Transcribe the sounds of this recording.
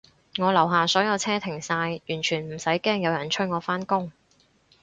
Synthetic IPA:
ŋɔː˨˧lɐ˨˩wɦaː˨sɔː˨˥jɐ˨˧wt͡sʰɛː˥t̪ʰɪ˨˩ŋsaː˧jjyː˨˩nt͡ʃʰyː˨˩nm̩˨˩sɐ˨˥jkɛː˥ŋjɐ˨˧wjɐ˨˩nt͡ʃʰɵ˥ŋɔː˨˧faː˥nkʊ˥ŋ

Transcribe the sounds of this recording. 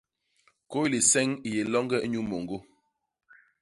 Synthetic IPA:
ko˦li˨sɛ˦ŋi˨je˨lɔ˦ŋɡɛ˦e˦ɲu˦mo˨ŋɡo˦

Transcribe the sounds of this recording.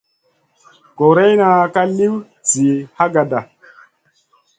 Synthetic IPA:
ko˨ɾe˦jna˨ka˦li˦w | t͡si˨ha˦ɡa˨da˨

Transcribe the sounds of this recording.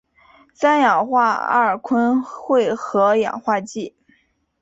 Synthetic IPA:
sa˥njɑ˨˩ŋxwa˥˩˧a̰˧˩ə˞˨˩kʰwə˥nxwe˥˩ɪxɤ˧˥jɑ̰˨˩ŋxwa˥˧t͡ɕi˥˩

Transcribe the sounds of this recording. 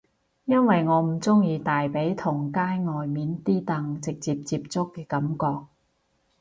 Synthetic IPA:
jɐ˥nwɐ˨jŋɔː˨˧m̩˨˩t͡sʊ˥ŋjiː˧t̪aː˨jpe˨˥jt̪ʰʊ˨˩ŋkaː˥jŋɔː˨jmiː˨˥nt̪iː˥t̪ɐ˨˧ŋt͡sɪ˨k̚t͡siː˧p̚t͡siː˧p̚t͡sʊ˥kːɛː˧kɐ˨˦mkɔː˧k̚

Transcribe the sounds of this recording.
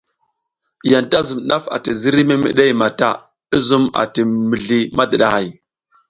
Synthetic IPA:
ja˨nta˦zu˨mɗa˦fa̰˨ti˨zi˦ɾi˦me˦mə̰˨ɗe˦jma˨ta˦ | i˦zu˦ma̰˨ti˨mi˨ɮi˦ma˦də˨ɗa˨ha˨j

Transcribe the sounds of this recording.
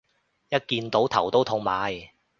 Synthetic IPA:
jɐ˥t̚kiː˧nt̪o˨˥wt̪ʰɐ˨˩wt̪o˥wt̪ʰʊ˧ŋmaː˨˧˥j

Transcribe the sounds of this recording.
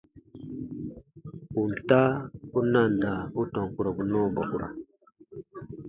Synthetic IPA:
u˨n̩˨ta˦u˦na˦˨n˨da˨u˦tɔ̃˨ŋ˨ku˨ɾa˨bu˨nɔː˦˨ba̰˨ku˨ɾa̰˨

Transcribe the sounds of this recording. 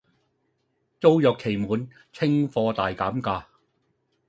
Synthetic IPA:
t͡so˥wjœː˨˩kʰːe˨˩jmuː˨˧n | t͡sʰɪ˥ŋfɔː˧t̪aː˨jkaː˨˥mkaː˧

